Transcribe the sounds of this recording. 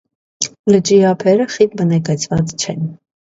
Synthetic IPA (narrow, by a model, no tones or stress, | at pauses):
lət͡ʃʼiɑpʰɛɾəχit̪̚bənɛkɛt͡sʰvɑt͡st͡ʃʰɛn